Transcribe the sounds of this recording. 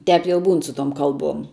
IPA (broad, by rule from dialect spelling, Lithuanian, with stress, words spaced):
ˈtʲɛp jɛʊ ˈbuːn sʊ toːm ˈkɐlˠˌbuɔm